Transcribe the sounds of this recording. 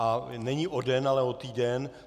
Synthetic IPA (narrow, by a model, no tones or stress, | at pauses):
anɛɲiʔodɛnalɛo̞t̪iːdɛn